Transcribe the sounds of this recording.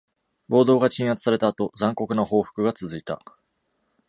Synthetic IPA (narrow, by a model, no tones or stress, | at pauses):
bo̞ːd̪o̞ːɡat͡ɕĩɰ̃at͡sɨ̥saɾe̞t̪aːt̪o̞zãŋko̞kɯ̟noho̞ːɸɯ̟̥kɯ̟ɡat͡sɨzɨit̪a̰